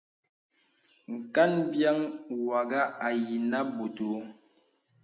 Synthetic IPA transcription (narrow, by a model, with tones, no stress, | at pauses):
ŋ̩˨ka˦nbja˦ŋwa˨ɡa˦a˨ji˨na˦bu˨to˨˦